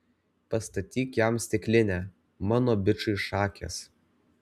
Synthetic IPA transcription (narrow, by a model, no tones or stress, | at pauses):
pɐst̪ɐt̪ʲiːkjæmsʲt̪ʲɪkʲlʲɪnʲæː | mɑːnoːbʲɪt͡ʃʊɪʃɑːkʲḛːs